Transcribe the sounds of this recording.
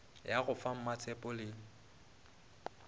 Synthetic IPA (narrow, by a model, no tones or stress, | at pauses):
jaɣʊfam̩mat͡sʰɛpʼʊlɪ